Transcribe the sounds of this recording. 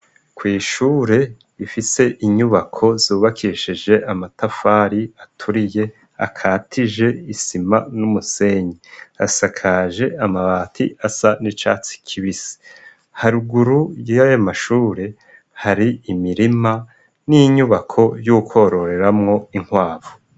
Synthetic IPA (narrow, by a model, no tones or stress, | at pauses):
kwiːʃuːɾe̞ | ifise̞ʔiɲuβakʰo̞zuːβakʰiʃid͡ʒe̞ʔamatafaɾiatʰuɾije̞ | a̰kʰaːtʰiʒe̞isimanumuse̞ɲea̰sakʰaʒe̞amaβaːtʰḭasanit͡ʃa̰ːt͡si̥kʰiβisi̥ | haɾuɡuɾujjajamaʃuːɾe̞ | haɾiimiɾima | niɲuβakʰo̞jukʰo̞ɾo̞ɾe̞ɾamŋo̞iŋ̥hwaːvo